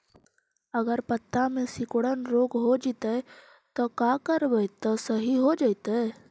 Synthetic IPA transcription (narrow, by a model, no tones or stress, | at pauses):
əɡəɾpət̪ːamẽsɪkɽənɾoːɡɦod͡ʒit̪ə | t̪ɔkakəɾbəjt̪ːɔsəɦiɦod͡ʒajt̪ə